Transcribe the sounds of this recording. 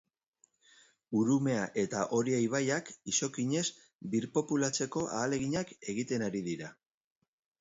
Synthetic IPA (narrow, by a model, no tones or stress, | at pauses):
uɾume̞aʔe̞t̪aʔo̞ɾiejβ̞ajakiso̞kiɲe̞s | biɾpo̞pulat͡se̞ko̞ʔaːle̞ɣiɲake̞ɣ̞it̪e̞naɾiðiɾa